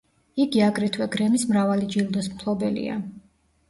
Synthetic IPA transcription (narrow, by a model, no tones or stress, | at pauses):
iɡiaɡɾɛt̪ʰwɛɡɾɛmismɾavalid͡ʒilˠd̪ɔsmpʰlˠɔbɛlḭa̰